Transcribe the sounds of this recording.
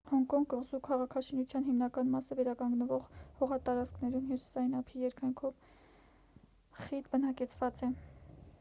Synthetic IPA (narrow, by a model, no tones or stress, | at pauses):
hɔŋkɔŋɡɡəʁzukʰɑʁɑkʰɑʃinut͡sʰjɑnɦimnɑkɑnmɑsəvɛɾɑkɑŋɡnəvɔʁhɔʁɑt̪ɑɾɑt͡skʰnɛɾunɦisu̥sɑinɑpʰijɛɾkʰɑjŋkʰɔv | χit̪bənɑkɛt͡sʰvɑt͡sɛ